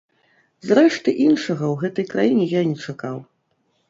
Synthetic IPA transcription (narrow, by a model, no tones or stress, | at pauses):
zrɛʂt̪ɨʔinʂɐɣɐwɣɛt̪ɐjkɾajinʲɛjanʲɛt͡ʂakaw